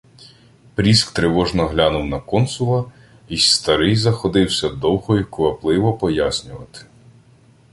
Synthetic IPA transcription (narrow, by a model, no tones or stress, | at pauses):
pɾʲiskt̪ɾɪʋɔʒnɔɦlʲanʊwnɐkɔnsʊlˠɐ | ist̪ɐɾɪjzɐxɔd̪ɪwsʲɐd̪ɔwɦɔjʊkʊʋɐplˠɪʋɔpɔjasʲnʲʊʋɐt̪ɪ̥